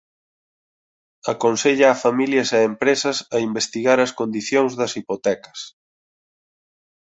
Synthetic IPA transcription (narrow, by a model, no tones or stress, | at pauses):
ɐkonseʎaːfamiljɐseempɾesɐsɐimbest̪iɣaɾɐskond̪iθjoŋzðɐsipot̪ɛkɐ̥s